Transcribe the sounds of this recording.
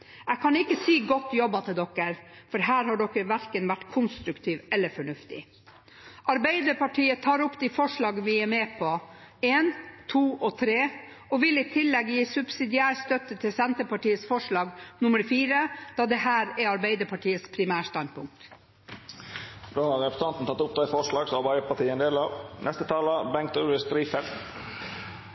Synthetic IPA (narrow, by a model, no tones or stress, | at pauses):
ɛkʰɑnɪkːəsiːɡɔt̪ːjɔbːɑt̪ʰɪld̪ɔkəɾfɔɾɦæːɾhɑɖɔkːəɾʋæɾkənʋæʈːkʰʊnst̪ɾʉkt̪ʰiːʋɛlːəfɔɳʉft̪ɪ̰ | ʔɑɾbæɪd̪əɾpɑʈʰiːət̪ʰɑːɾʊpːd̪ifɔʂɭɑːɡənʋɪɛmeːpʰɔeːnt̪ʰuːʔɔt̪ʰɾeː | ɔʋɪliːt̪ʰɪlːɛɡjiːsʉb̥sɪd̪ɪæːɾst̪œt̪ət̪ʰɪlsɛnt̪əpɑʈiːəsfɔʂɭɑːɡnʊməɾfiːɾəd̪̥ɑːd̪ɛhæːɾɛɑɾbæɪd̪əpɑʈʰiːəspʰɾɪmæːʂt̪ɑnpʰʊŋk̚t̪ | d̪oːhɑɾɾɛpə̥st̪ɑnt̪n̩t̪ʰɑt̪ːʊp̚d̪æɪfɔʂɭɑːɡsɔɑɾbæɪd̪əpɑʈiːəɛnd̪eːlɑʋnɛst̪ət̪ʰɑːləbɛŋk̚t̪ʉɪst̪ɾiːfɛlt̪